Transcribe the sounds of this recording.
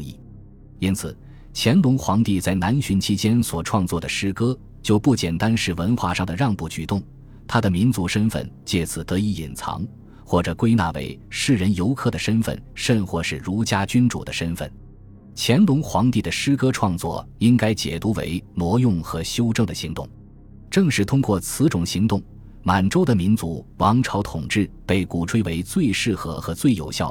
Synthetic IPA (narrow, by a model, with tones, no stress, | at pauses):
ḭ˥˩ | i˥nt͡sʰɹ̩˨˩ | t͡ɕʰjɛ˧˥nlʊ˧˥ŋxwɑ˧˥ŋt̪i˥˧t͡sa˥˩ɪna˧˥nɕy˧˥nt͡ɕʰi˥t͡ɕjɛ˥nswɔ˨˩ʈ͡ʂʰwɑ˥˧ŋt͡swɔ˥˩d̪ə˩ʂɻ̩˥kɤ˥ | t͡ɕjo˥˧ʊpu˥˩t͡ɕjɛ˨˩nt̪a˥nʂɻ̩˥˩wə˧˥nxwa̰˥˧ʂɑ˥˩ŋd̪ə˩ɻɑ˥˧ŋpu˥˩t͡ɕy˨˩t̪ʊ˥˩ŋ | t̪ʰa˥d̪ə˨mi˧˥nt͡su˧˥ʂə˥nfə̰˥˩nt͡ɕjɛ˥˩sʰɹ̩˨˩t̪ɤ˧˥i˧˩ḭ˨˩nt͡sʰɑ̰˧˥ŋ | xwɔ˥˩ʈ͡ʂɤ˨˩kwe˥ɪna̰˥˩wḛ˧˥ɪʂɻ̩˥˩ɻə˧˥njo˧˥ʊkʰɤ˥˩d̪ə˩ʂə˥nfə̰˥˩nʂə˥˧nxwɔ˥˧ʂɻ̩˥˩ɻu˧˥t͡ɕja˥t͡ɕy˥nʈ͡ʂṵ˨˩d̪ə˦ʂə˥nfə̰˥˩n | t͡ɕʰjɛ˧˥nlʊ˧˥ŋxwɑ˧˥ŋt̪i˥˩d̪ə˩ʂɻ̩˥kɤ˥ʈ͡ʂʰwɑ˥˧ŋt͡swɔ̰˥˩i˥ŋka˥ɪt͡ɕjɛ̰˨˩t̪u˧˥wḛ˧˥ɪnwɔ˧˥jʊ˥˩ŋxɤ˧˥ɕjo˥ʊʈ͡ʂɤ˥˩ŋd̪ə˩ɕi˧˥ŋt̪ʊ̰˥˩ŋ | ʈ͡ʂɤ˥˧ŋʂɻ̩˥˩t̪ʰʊ˥ŋkwɔ˥˩t͡sʰɹ̩˧˥ʈ͡ʂʊ˨˩ŋɕi˧˥ŋt̪ʊ˥˩ŋ | ma˨˩nʈ͡ʂo˥ʊd̪ə˨mi˧˥nt͡su˧˥wɑ˧˥ŋʈ͡ʂʰɑ˧˥ʊt̪ʰʊ˨˩ŋʈ͡ʂɻ̩˥˩pe˥˩ɪku˨˩ʈ͡ʂʰwe˥ɪwe˧˥ɪt͡swe˥˧ɪʂɻ̩˥˩xɤ˧˥xɤ˧˥t͡swe˥˩ɪjo̰˨˩ʊɕjɑ̰˥˩ʊ